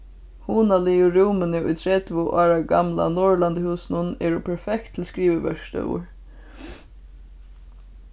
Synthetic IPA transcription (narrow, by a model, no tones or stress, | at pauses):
huːnaliʊɾuːmɪnɪʊjt̪ʰɾɛt̪ʋʊʔaːɾaɡa̰mla̰nɔɹland̪əhuːsnʊnɛːɾʊpʰɛɹfɛkt̪ʰːɪlskɾiːʋəʋœʂt̪œ̰wʊ̰ɹ